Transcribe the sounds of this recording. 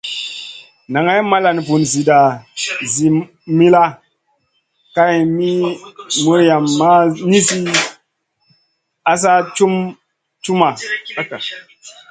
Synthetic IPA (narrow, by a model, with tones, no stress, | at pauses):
na˨ŋa˦jma˦la˨n˨pu˨nzi˨da˨zi˨ | mi˦la˦ | ka˦jmi˦mu˦ɾja˨mːa˦ni˦si˦ | a˦s̬a˦t͡ʃu˦m | t͡ʃu˦ma˨a˦ka˨